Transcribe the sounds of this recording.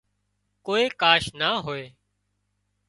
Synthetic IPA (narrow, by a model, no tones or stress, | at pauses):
koːeːkaːʃnaːɦoːeː